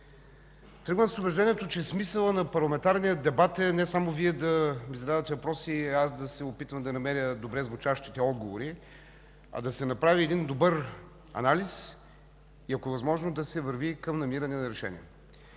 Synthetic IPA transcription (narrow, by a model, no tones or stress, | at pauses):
t̪ɾɤɡnsʊbɛʒd̪ɛniɛt̪ot͡ʃɛsmisəlˠənɐpɐɾlˠɐmɛnt̪aɾnijəd̪ɛbat̪ɛnɛsamoviɛd̪ɐmizɐd̪avət̪ɛvɐpɾɔsiɛasd̪ɐsɛopit̪vəmd̪ɐnɐmɛɾʲəd̪obɾɛzvʊt͡ʃaʃt̪it̪ɛɔd̪ɡovoɾi | ɐ̰d̪ɐsɛnɐpɾaviɛd̪ind̪obɤɾ | ɐ̰nalis | iɐkoɛvɐzmɔʒnod̪ɐsɛvəɾvikɐmnɐmiɾɐnɛnɐɾɛʃɛ̰nḭɛ